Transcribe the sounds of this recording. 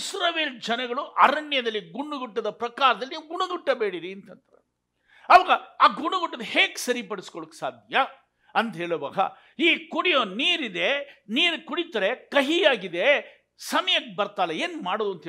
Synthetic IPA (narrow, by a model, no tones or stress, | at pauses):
sɾaːʋeːld͡ʒɐnɐɡɐɭuʔɐɾɐɳjɐd̪ɐlːiɡuɳːuɡuʈːɐd̪ɐpɾɐkaːɾɐd̪ɐlːiniːwɡuɳɐɡ̪uʈːɐbe̞ːɽiɾiɐnt̪ɐnt̪ɐɾe | ɐʋɐːɡɐaːɡuɳuɡuʈːɐd̪eheːɡsɐɾipɐɽiskoɭokːsaːd̪ʱjɐ | ɐnt̪ɦeːɭoba̰ːɡɐ̰ | iːkuɽijoːniːɾid̪e̞niːɾkuɽit̪ɐɾekɐɦijaːɡid̪e̞ | sɐmɐjɐkːbɐɾt̪aːlːɐeːnmaːɽoːd̪uɐnt̪e